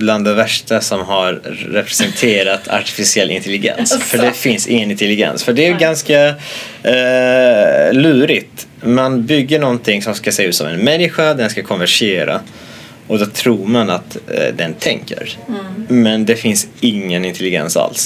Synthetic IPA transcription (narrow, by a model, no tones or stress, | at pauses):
bland̪ɛvæʂʈasɔmɦaɾːɛpʰɾɛsɛnt̪ʰeːɾat̪ʰa̰ʈɪ̥fɪsɪɛlːʔɪ̰nt̪ɛlɪɡɛ̰nsfœɖɛfɪnsɪ̰ŋːənɪnt̪ɛlɪɡɛ̰nsfœɖɛæɡanska | lʉ̟ːɾɪt̪ | manbʏɡːəɳɔnt̪ʰɪŋsɔmskaseːaʉ̟ːt̪sɔ̰mɛ̰nmɛnːɪɧad̪ɛnskakʰɔnvæʂeːɾa̰ | ɔd̪ɔt̪ʰɾuːɾmanat̪d̪ɛnt̪ʰɛŋkə̰ɾ | mɛnd̪ɛfɪnsɪŋːənɪnt̪ʰɛlɪɡɛ̰nsa̰ls